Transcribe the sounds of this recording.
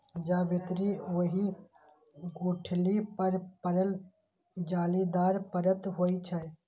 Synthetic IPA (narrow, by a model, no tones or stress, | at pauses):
d͡ʒaːbɪt̪ɾiʋəɦi | ɡuːʈʰlipəɾpəɾəl | d͡ʒaːlid̪aːɾpəɾət̪ɦoːit͡ʃʰa